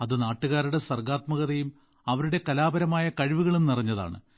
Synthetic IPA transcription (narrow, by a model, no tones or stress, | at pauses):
ɐðɨnaːʈːuɣaːɾuɽe̞sɐrɡaːt̪mɐɣɐðɐjum | ɐʋɐɾuɽe̞kɐlaːbɐɾɐmaːjɐkɐɻiʋuɣɐɭemnirɐɲːɐða̰ːɳɨ̰